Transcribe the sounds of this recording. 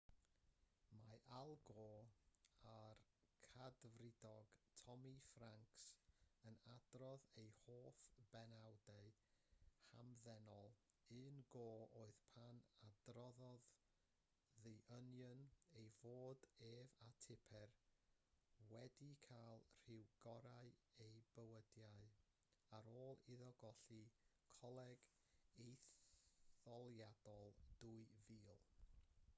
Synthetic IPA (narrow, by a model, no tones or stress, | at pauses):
maʔalˠɡɔ | arkʰadvrɪdɔɡ̥tʰɔmifraŋksənad̥rɔðejhoːfb̥ɛnawdeɨ | hamðɛnɔlˠ | ɨnɡoːoːɨðpʰanadrɔðɔð | ðɨʔənjənejvoːdeːvatʰɪpʰɛr | wɛdikʰaːlˠr̥ɪwɡɔɾaɨejbəwədjaɨ | aɾoːlˠɪðɔɡɔɬikʰɔlˠɛɡ | ejθ | ɔlˠjad̥ɔlˠd̥uɨviːlˠ